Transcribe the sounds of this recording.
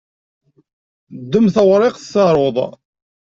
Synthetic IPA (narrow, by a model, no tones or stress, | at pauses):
d̪ːəmθəwɾˤɪqθsɑɾˤoðˤ